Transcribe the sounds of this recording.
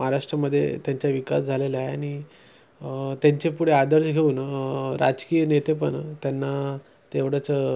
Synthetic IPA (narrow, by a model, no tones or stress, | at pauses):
məɦaɾaʂʈɾəməd̪ʱːjḛt̪jaɲt͡ɕjaʋikasd͡zʱaleleajeaɽ̃i | t̪jaɲt͡ɕepuɽead̪əɾɕɡʱeuːnɾa̰d͡ʑkijənet̪epəɳt̪janːa | t̪eʋɽət͡sə